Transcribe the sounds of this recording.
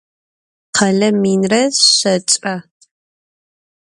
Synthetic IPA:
qʰɐɮɐmiːnrɐɕɐt͡ʃʼɐ

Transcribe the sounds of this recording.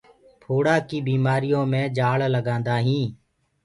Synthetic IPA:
pʰoːɽaːkiːbiːmaːɾijõːmẽːd͡ʒaːlləɡãːnd̪aːɦĩː

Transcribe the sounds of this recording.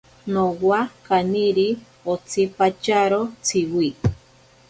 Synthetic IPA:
nowakaniɾi | ot͡sʰipat͡ʃaɾot͡sʰiwi

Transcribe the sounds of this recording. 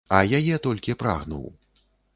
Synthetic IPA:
ɐjajɛt̪ɔlʲkʲipɾa̰ɣnṵw

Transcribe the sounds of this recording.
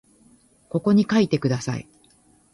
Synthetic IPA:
ko̞ko̞ɲ̟ikait̪e̞kɯ̟d̪asa̰ḭ

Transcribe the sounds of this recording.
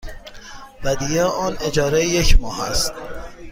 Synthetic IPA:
væd̪ijeɒːned͡ʒɒːɾejecʰmɒːhæ̰st̪

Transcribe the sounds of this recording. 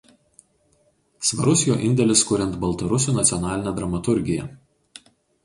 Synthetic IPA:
sʋɐɾʊsʲjoːʔɪnʲd̪ʲɛlʲɪskʊɾʲɛnt̪bɐlˠt̪ɐɾʊsʲuːˑnɐt̪sʲɔnɑːlʲɪnʲɛːˑd̪ɾɐmɐt̪ʊɾʲɡʲɪjɛ̰

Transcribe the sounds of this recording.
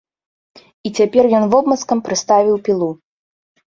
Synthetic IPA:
it͡sʲapʲɛrjɔnvɔbmɐskɐmpɾɨst̪avʲiwpʲilˠu

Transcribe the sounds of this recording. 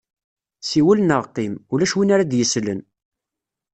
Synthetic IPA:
siwəlnəʁqimulæʃwinaɾad̪jəslə̰n

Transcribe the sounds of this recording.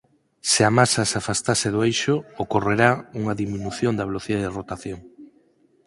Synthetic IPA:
sɪamasasafast̪aseðoejʃookoreɾauŋaðimĩnuθjond̪ɐβeloθiðaðerot̪aθjoŋ

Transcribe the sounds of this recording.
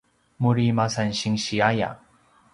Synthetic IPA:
muɾimasanɕiŋɕiaja̰

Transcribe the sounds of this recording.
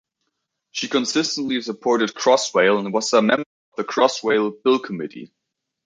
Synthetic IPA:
ʃikʰɨ̃nsɪstn̩ʔˡlisəpʰɔɹɾɨd̚kʰɹ̥ɔsweɪlˠə̃n̚wʌzəmɛ̃mbə˞ʌvðəkʰɹ̥ɔsweɪlˠbɪlˠkʰəmɪɾḭ

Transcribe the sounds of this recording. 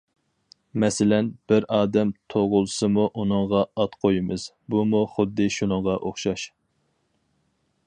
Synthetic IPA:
mɛsɪlɛnb̥ɪɾɑːd̪ɛmt̪ʰoʁʊlˠsɨmuʔunɨŋʁɑɑt̪qʰojimɨz̥ | bumuχʊd̪ːɨʃunəŋʁɑʔoχʃɑʃ

